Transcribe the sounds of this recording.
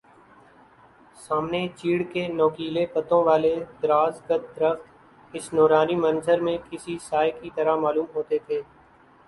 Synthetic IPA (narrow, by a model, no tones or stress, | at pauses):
saːmnet͡ʃiːɽkenɔːkiːlepət̪õʋaːled̪ɾaːzɡət̪̚d̪ɾəft̪ | ɪsnoːɾaːnimənzəɾmẽkɪsisaːekit̪əɾamaːluːmɦoːt̪et̪ʰeː